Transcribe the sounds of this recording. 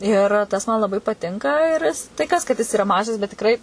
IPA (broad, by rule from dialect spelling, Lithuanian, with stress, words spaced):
ɪr ˈtɐs mɐn lˠɐˈbɐɪ pɐˈtʲɪŋkɐ ɪr tɐɪ ˈkɐs kɐt jɪs ɪˈrɐ ˈmɑːʒɐs bʲɛt tʲɪkˈrɐɪ